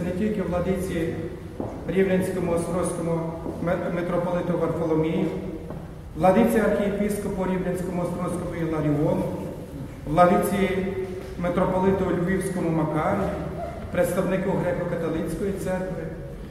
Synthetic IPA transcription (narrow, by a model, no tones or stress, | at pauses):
netʲilʲkɪwlˠɐd̪ɪt͡sʲiji | ɾʲiwlʲɐnʲsʲkɔmʊɔst̪ɾɔsʲkɔmʊ | met̪ɾɔpɔlˠɪt̪ʊʋɐrfɔlˠɔmʲiji | ʋlˠɐd̪ɪt͡sʲijɐrxʲijepʲiskɔpʊɾʲiwlʲɐnʲsʲkɔmʊɔst̪ɾɔsʲkɔmʊilˠɐɾʲiɔnʊ | ʋlˠɐd̪ɪt͡sʲiji | met̪ɾɔpɔlˠɪt̪ʊlʲʋʲiwsʲkɔmʊmɐkɑɾʲiji | pɾet̪st̪ɐwnɪkɪɦɾɛkɔkɐt̪ɔlˠɪt͡sʲkɔjit̪sɛnk̪ʋɪ